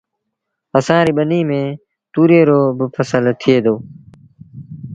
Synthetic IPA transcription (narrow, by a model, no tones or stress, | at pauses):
əsãːɾiːɓəniːmẽː | t̪uːɾeːɾoːbəpʰəsəlt̪ʰɪeːd̪oː